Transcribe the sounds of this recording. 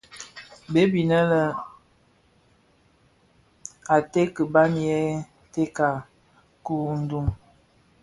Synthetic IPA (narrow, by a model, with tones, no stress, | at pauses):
be˦bi˨nə˦lə˨ | a˨te˦kə˨ba˦n˦jɛ˦ | te˦ka˨ | ku˦n˦du˦m